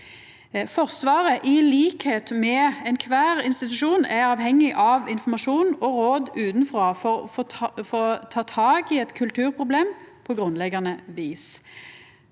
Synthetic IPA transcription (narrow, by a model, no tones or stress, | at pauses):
fɔʁsʋɑːʁəʔɪliːkheːt̪mɛɛnkʰʋæːʁɪnst̪ɪt̪ʉʃuːnæɑːʋhɛŋːɪʔɑʋɪnfɔmɑʃuːnɔʁoːd̪ʉːt̪nfʁoːfɔ | fɔt̪ʰɑːt̪ʰɑːɡɪɛt̪kʰʉlt̪ʰʉːʁpʰʁʊbleːmpʰɔɡʁʉnlɛɡɑnəʋiːs